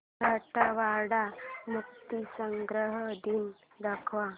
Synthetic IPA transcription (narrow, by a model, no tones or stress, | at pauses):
əʈaʋaɽamuk̚t̪isəŋɡɾəɦəd̪in | d̪əkʰʋa